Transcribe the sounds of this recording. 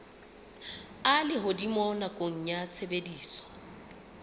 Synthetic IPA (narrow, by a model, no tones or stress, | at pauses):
alɪɦʊdimɔnakʼoŋ̩ɲat͡sʰebediːswɔ̥